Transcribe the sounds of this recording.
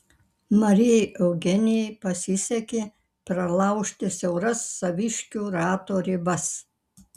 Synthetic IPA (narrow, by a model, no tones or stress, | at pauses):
mɐɾʲɪjɛjʔɛʊɡʲɛnʲɪjɛjpɐsʲɪsʲɛkʲeː | pɾɐlˠɐˑʊʃʲt̪ʲɪsʲɛʊɾɐsːɐʋʲɪʃʲkʲuːɾɑːt̪oːɾʲɪbɐs